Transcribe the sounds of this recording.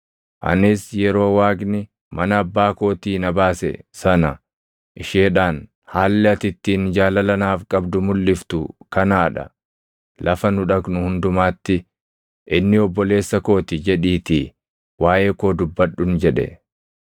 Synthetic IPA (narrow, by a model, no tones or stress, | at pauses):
ʔɐ̰nɪsjɛɾo̞ːwaːɡnɪ | mɐnɐɐbːaːko̞ːt̪iːnɐbaːsɛ̰sɐnɐ | ʔɪʃeːᶑaːn | haːlːɛɐt̪ɪt̪ːiːnd͡ʒaːlɐlɐnaːfkʼɐbd̪ʊmʊlːɪft̪ʊ̰kɐnaːᶑɐ̰ | lɐfɐnʊᶑɐɡnʊhʊnd̪ʊmaːt̪ːɪ | ʔɪnːɪɔbːɔle̞ːsːɐko̞ːt̪ɪd͡ʒɛᶑiːt̪i | waːʔe̞ːkoːd̪ʊbːɐɗːʊnd͡ʒɛᶑɛ̰